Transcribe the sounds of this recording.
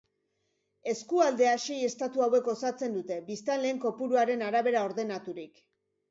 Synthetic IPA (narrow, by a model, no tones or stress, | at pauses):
e̞skuald̪e̞aʃeje̞st̪at̪uawe̞ko̞sat͡se̞nd̪ut̪e̞bist̪anle̞ːŋko̞puɾuaɾe̞naɾaβ̞e̞ɾao̞ɾðe̞nat̪uɾik